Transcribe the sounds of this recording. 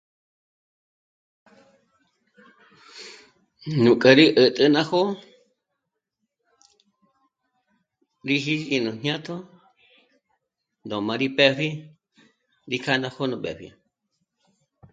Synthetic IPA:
nũ˨kʼə˨ɾi˦ʔə˨t̪ʼə˧nã˦ho˦ | ɾi˦ɦi˦i˧nũ˨n̥ɲã˦t̪ʰo˦ | nd̪õ˨mã˧ɾi˦pɛ˦ɸi˦ | ɾi˧kʰa˦nã˧ho˦nũ˧ɓɛ̰˨ɸḭ˧

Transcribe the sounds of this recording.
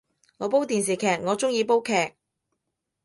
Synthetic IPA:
ŋɔː˨˧p̬o˥wt̪iː˨ns̬iː˨kʰɛː˨˩k̚ŋɔː˨˧t͡sʊ˥ŋjiː˨˧po˥wkʰɛː˨˩k̚

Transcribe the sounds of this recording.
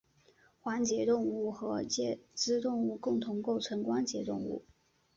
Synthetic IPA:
xwa˧˥nt͡ɕjɛ˧˥t̪ʊ˥˧ŋu˥˩xɤ˧˥t͡ɕjɛ˥˧ʈ͡ʂɻɹ̩˥t̪ʊ˥˧ŋu˥˧kʊ˥˩ŋt̪ʰʊ˧˥ŋko˥˩ʊʈ͡ʂʰɤ˧˥nkwa˥nt͡ɕjɛ˧˥t̪ʊ̰˥˧ŋṵ˥˩

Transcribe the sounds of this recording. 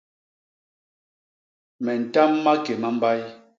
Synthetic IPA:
mɛ˨n̩˨ta˦mːa˦ke˨ma˦m̩˦ba˦j

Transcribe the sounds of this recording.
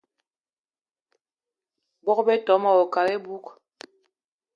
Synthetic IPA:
bɔ˦kbɛ˦tɔ˨˦ma˨ɔ˨ka˨ɾɛ˦bu˦k

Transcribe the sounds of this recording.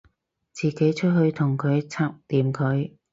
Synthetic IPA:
t͡siː˨ke˨˥jt͡ʃʰɵ˥t̚ɦɵ˧ɥt̪ʰʊ˨˩ŋkʰɵ˨˧ɥt͡sʰaː˥p̚liː˨mkʰɵ˨˧ɥ

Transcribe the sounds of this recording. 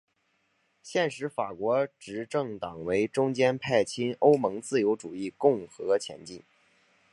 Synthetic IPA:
ɕjɛ˥˩nʂɻ̩˧˥fa˨˩kwɔ˧˥ʈ͡ʂɻ̩˧˥ʈ͡ʂɤ˥˩ŋt̪ɑ˨˩ŋwe˧˥ɪʈ͡ʂʊ˥ŋt͡ɕjɛ˥npʰa˥˩ɪt͡ɕʰi˥no˥ʊmɤ˧˥ŋt͡sɹ̩˥˩jo˧˥ʊʈ͡ʂu˨˩i˥˩˧kʊ˥˩ŋxɤ˧˥t͡ɕʰjɛ̰˧˥nt͡ɕi˥˩n

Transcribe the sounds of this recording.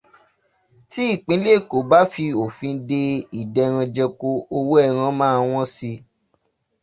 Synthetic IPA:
ti˦i˦˨k͡pĩ˨˦le˦˨ko˨ba˦fi˧o˨fĩ˧˦de˧i˨dɛ˧˨ɾ̃ã˧d͡ʒɛ˧ko˧o˧wo˦ɛ˦˨ɾ̃ã˧mãː˦˧w̃ɔ̃˦si˧

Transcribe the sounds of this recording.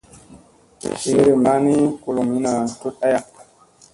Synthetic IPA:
ʃe˨˦ɾe˨mba˦ni˦ku˨lo˨mi˦na˨tu˦ta˦ja˨

